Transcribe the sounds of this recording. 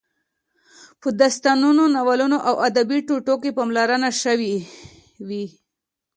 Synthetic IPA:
pəd̪ast̪anunonawalunoʔawʔad̪abiʈuʈokepamlaɾanaʃəwi | wi

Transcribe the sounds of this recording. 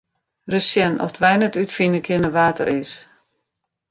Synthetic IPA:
rəsjɛnʔɔ̰fdʋɛjnətytfinəkʰɪnəʋaːtə̰rɪs

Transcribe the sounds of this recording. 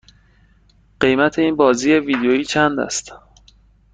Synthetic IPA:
ɢ̥e̞jmæt̪ʰe̞iːnbɒːziːjeviːd̪eoiːt͡ʃʰænd̪æ̰st̪

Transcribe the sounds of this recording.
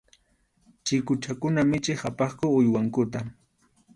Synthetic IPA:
t͡ʃɪkʊt͡ʃakʊnamɪt͡ʃɪhapɑχkʊʊjwaŋkʊt̪̬a

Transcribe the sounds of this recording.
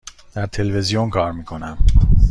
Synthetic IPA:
d̪̥æɾt̪ʰe̞lvezijonkʰɒːɾmiːkʰo̞næm

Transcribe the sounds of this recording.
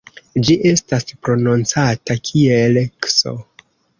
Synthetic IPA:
d͡ʒiʔe̞staspɾo̞nont͡satakʰielekso̞̰

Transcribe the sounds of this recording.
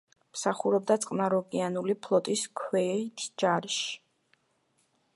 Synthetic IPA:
msaχuɾɔb̚d̪at̪sʼqʼnaɾɔɡʼianulipʰlˠɔt̪ʼiskʰwɛt̪ʰd͡ʒaɾʃ

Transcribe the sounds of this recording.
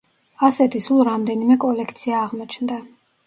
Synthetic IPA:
asɛt̪ʰisulˠɾamd̪ɛnimɛkʼɔlɛkʰt̪sʰiaːʁmɔt͡ʃʰnd̪a

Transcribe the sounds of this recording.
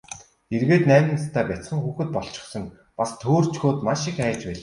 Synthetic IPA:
erɣeːt̪næːmʲɪ̆nt͡st̪ʰæːpæt͡s̪ə̆ŋxuːxɘ̆t̪̚pɔɮt͡ɕɪ̥̆χsɞ̆ŋ | past̪ʰoːr̥t͡ɕxoːt̪maʃĭkæːt͡ɕpæːɮ

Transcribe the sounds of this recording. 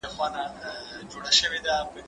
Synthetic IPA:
əxwɑnad͡ʒoɽaʃəwed̪apə

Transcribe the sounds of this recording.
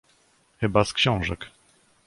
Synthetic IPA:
xɘbaskɕɔ̃w̃ʐɛk

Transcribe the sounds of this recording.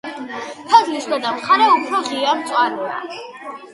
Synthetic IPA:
pʰɛdlisd̪ad̪amχaɾɛupʰɾɔʁiamt̪sʼwaɾɛa̰

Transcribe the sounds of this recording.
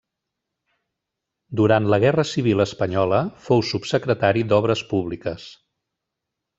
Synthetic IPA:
d̪uɾant̪ləɣɛrəsiβ̞iləspəɲɔləfowsupsəkɾət̪aɾid̪ɔβɾəspuβlikəs

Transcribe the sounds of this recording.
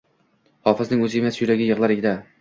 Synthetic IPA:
hɒfɪznɪŋɵzɪemasɪjʊɾaɡʲɪjɨʁlˠaɾeɡʲɪd̪a

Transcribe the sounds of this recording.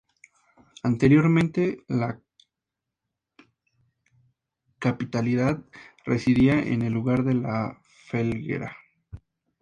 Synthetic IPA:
ant̪e̞ɾjoɾmẽnt̪e̞la | kapit̪aliðaðresiðiaʔḛnelːuɣaɾðe̞la | felɣḛɾa

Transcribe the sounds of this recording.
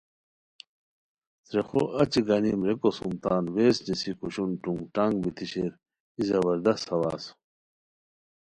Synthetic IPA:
t̪ɾexo̰ʔɐt͡ɕiɡɐnimɾekosumt̪aːnweːsnisikuɕunʈuŋɡʈaːŋɡbit̪iɕeɾ | izɐβɐɾd̪ɐst̪ːɐwa̰ːs

